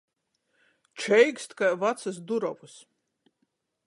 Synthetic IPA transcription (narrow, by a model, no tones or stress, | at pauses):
t͡ʃɛjkst̪i̥kajvat̪sɨs̬d̪uɾɔvus